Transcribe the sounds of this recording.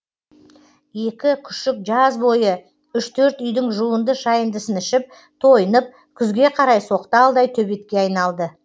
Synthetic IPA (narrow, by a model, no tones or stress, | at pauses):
je̞kʲɪkʲʰʏ̥ʃɪk̚ʒɑzbo̞jə | ʏʃt̪ʰɵɾt̪ʏjd̪ɪŋʒuənd̪əʃɑjənd̪əsənɪʃɪp̚ | t̪ʰo̞jənəp̚ | kʲʰʏzɡʲe̞qʰɑɾɑjso̞qt̪əɑlˠd̪ɑjt̪ʰɵbe̞t̪kʲe̞ɑjnɑlˠd̪ə